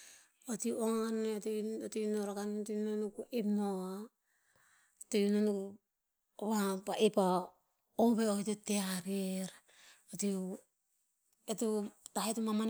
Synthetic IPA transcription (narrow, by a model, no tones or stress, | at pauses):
otiʔoŋantotinoɾakantnonukuʔepnoa | tejunonu | βapaʔepa | oβeoetuteaɾeɾ | oti | etutahetumaman